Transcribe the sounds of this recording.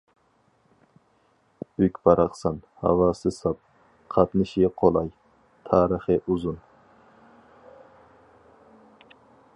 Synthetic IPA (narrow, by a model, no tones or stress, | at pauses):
ykʲbɑɾɑqsɑn | hɑ̰wɑːsɨsɑp̚ | qʰɑt̪nɨʃiqʰolˠɑj | t̪ʰɑːɾəχɨʔuzun